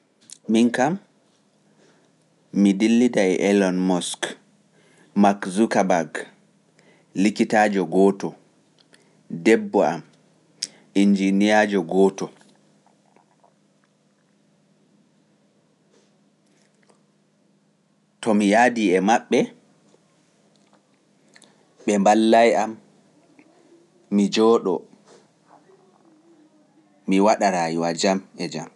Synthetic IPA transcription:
miŋkam | idilːidaɛʔɛlɔnmɔsk | makzukabaɡ | likitaːd͡ʒɔɡɔːtɔ | dɛbːɔa̰m | ʔind͡ʒinijad͡ʒɔɡɔːtɔ | tɔmijadiɛmaɓːɛ | ɓɛmbalːajam | id͡ʒɔːɗɔ | miwaɗaɾajiwad͡ʒamɛd͡ʒam

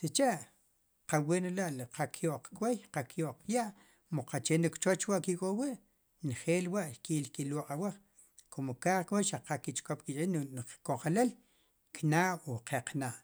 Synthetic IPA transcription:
sit͡ʃeʔ | qawenlaʔlqakʰjoʔq͡χkwejqakjoʔqjaʔ | moqat͡ʃenikt͡ʃot͡ʃwaʔkikʼowiʔ | nχeːlwaʔʃkiːʔlkiloqʼawaχ | kʰomokaːχkwejʃaqakit͡ʃʼkop̚kit͡ʃʼinkoχelel | knaːʔoqeqnaːʔ

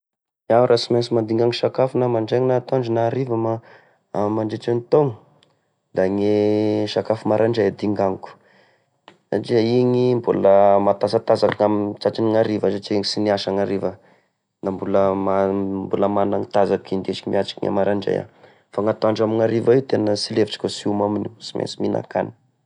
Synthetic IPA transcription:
awɾasimansimand̪iŋɡaŋiʃakafunamaɳɖ͡ʐeŋnat̪oaɳɖ͡ʐunaɾivəma | amaɳɖ͡ʐeʈ͡ʂanit̪oŋə | d̪aŋeʃakafumaɾʔaɳɖ͡ʐajad̪iŋɡaŋku̥ | sa̰ʈ͡ʂiaiŋimbṵləmat̪asat̪azakiŋamt͡saʈ͡ʂiniŋaɾivəzaʈ͡ʂiiŋisiniaʃaŋaɾivə | nambuləmambuləmanaŋt̪azakind̪et͡ʃi̥kimiat͡ʃi̥kiŋa̰maɾaɳɖ͡ʐa̰ja̰ | faŋat̪oaɳɖ͡ʐamiŋaɾivaiwt̪enəsileviʈ͡ʂi̥kʲosiumaminisimʔḛsiminʔa̰ka̰ni̥

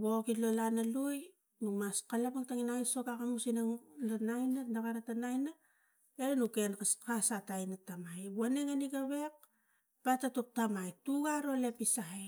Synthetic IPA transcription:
βokilolanaluj | numaskalapaŋtaŋinajso̞kakamusinaŋlanajnanakaɾatanajna | eɾenukenkaskasatajnatamajbuaneŋaniɡaβe̞k̚ | patatop̚tamajtuɡaɾo̞le̞pisaj

